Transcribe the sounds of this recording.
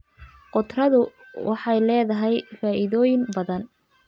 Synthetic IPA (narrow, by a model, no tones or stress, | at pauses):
qɔt̪rɐðʊ | wʔɑħɑjlɛːðɐɦɛjfaːʔɪðɔːjɪnbɐðɐn